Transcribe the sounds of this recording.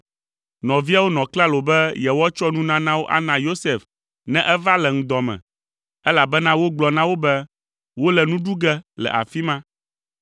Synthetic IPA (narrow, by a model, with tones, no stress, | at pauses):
nɔ̃˨vi˦a˦wo˦nɔ̃˨kla˦lo˨bɛ˦jɛ˨wɔ˦t͡ʃɔ˦nũ˦nã˦nã˦wo˦ʔa̰˦nã˨jo˦sɛ˨f | nɛ̃˦ʔɛ˦va˦lɛ˨ŋ̩̃˨d̪ɔ˨mɛ̰̃˨ | ɛ˦la˨bɛ˦nã˦wo˦ɡ͡blɔ˨nã˦wo˦bɛ˦ | wo˦lɛ˨nũ˦ɖu˦ɡɛ˦lɛ̰˨ʔa̰˨fi˦mã˦